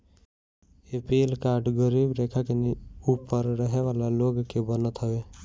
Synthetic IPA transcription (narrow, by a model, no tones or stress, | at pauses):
epiːlkaːɖɡəɾiːbɾeːkʰakeniupəɾɾəɦeʋaːlaloːɡkebənət̪ɦəʋeː